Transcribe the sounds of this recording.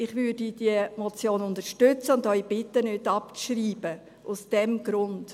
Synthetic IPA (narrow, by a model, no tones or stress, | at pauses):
ɪχʋʏdidiəmɔt͡sjoːnʊnt̪əʃtʏt͡səʊnd̪œʏb̥ɪt̪ːənʏdɑpt͡sʃɾiːb̥ə | ʔʊsd̥ɛmɡ̥ɾʊnd